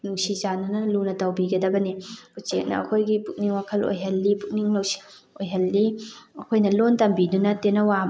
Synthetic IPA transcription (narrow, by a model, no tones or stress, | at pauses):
nuŋsizanɐnɐlunɐtɐwbiɡɐdɐbɐnikut͡ʃek̚nɐ̰ɐ̰kʰojɡipuk̚niŋwakʰɐlo̰jɦɐlːipuk̚niŋlɐwsi̥ | ojɦɐlːiɐkʰojnɐlontɐmbidunɐtenːɐwa